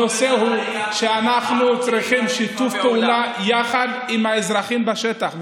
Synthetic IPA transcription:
oseɦuʃeanaχnut͡sʁiχimʃit̪ufpeulajaχad̪imhaezʁaχimbaʃet̪aχ

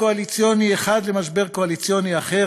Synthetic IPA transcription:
oalit͡sjonieχad̪lemaʃbe̞ʁkoalit͡sjo̞niaχe

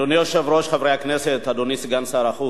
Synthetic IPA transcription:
onijoʃevɾoʃχavɾejhakneset̪ad̪onisiɡansaɾaχu

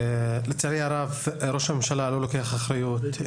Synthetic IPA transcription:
lɪt͡saɾiaɾˤavɾoʃamemʃalalolokejaxaxɾajuːt̪

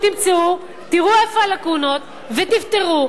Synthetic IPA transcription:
t̪imt͡seu | t̪iʁuefaalakuno̞t̪̚ | vet̪ift̪eʁu

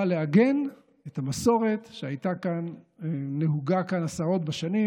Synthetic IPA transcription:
aleaɡe̞n | etamaso̞ʁe̞t̪ʃeajtakanː | eɦuɡakanasaʁo̞t̪baʃani

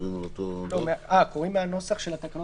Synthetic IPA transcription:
imlot̪olomeako̞ʁimːeano̞saχʃelat̪akano

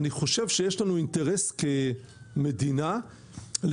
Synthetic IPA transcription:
niχo̞ʃe̞vʃejeʃlanuinteʁeske | medina | l

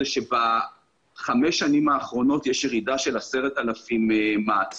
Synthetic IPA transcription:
eʃeba | χameʃːanimaːχʁo̞no̞t̪jeʃjeʁidaʃe̞lase̞ʁetalafimːaːt͡s

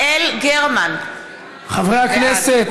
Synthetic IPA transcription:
elɡeʁman | χavʁejhakneset̪

